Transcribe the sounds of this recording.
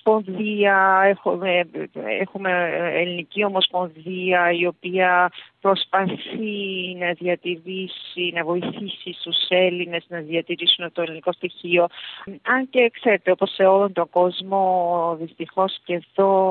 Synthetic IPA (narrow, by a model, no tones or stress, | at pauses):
spo̞nðiɐexueḛxume̞elinicio̞mo̞spo̞nðiɐio̞piɐpɾo̞spɐθinɐðiɐt̪iɾisinɐvo̞iθisist̪use̞line̞znɐðiɐt̪iɾisunɐfot̪oeliniko̞st̪içio̞ɐɲce̞kse̞ɾe̞t̪e̞o̞po̞sːe̞olo̞nt̪o̞ŋɡ̥o̞zmo̞ðist̪ixo̞sce̞ðo̞